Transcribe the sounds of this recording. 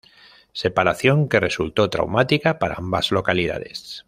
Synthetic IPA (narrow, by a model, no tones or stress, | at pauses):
se̞paɾaθjo̞ŋke̞re̞sult̪o̞t̪ɾa̰wmat̪ikapaɾa̰ambaz̥lo̞kalið̞a̰ð̞e̞̰s